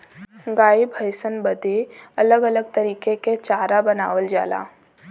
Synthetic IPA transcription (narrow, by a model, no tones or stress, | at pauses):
ɡaːibʱəɪsənbəd̪eɐləɡɐləɡ̚t̪ɐɾiːkeket͡ʃaːɾabɐnaːʋəld͡ʒa̰ːla̰ː